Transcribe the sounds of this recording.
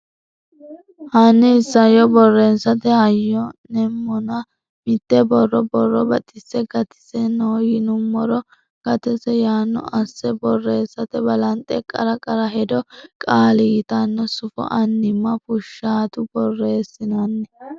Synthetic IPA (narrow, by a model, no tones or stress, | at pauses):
hɐnːɪhɪsːɐjɔbɔrːeːsːɐt̪ɛhɐjːɔnɛmːɔnɐ | mɪt̪ːɛbɔrːɔbɔrːɔbɐt̪ʼɪsːɛɡɐt̪ɪ̥sɛnoːjɪnʊmːɔɾɔ | ɡ̥ɐt̪ɛsɛjaːnːɔ̰ʔɐsːɛbɔrːe̞ːsːɐt̪ɛbɐlɐnt̪ʼɛkʼːɐɾɐkʼɐɾɐɦɛd̪ɔkʼaːlɪɡɪt̪ɐnːɔsʊfɔ̰ʔɐnːɪmːɐpʊʃːaːt̪ʊbɔrːe̞ːsːɪnɐnːɛ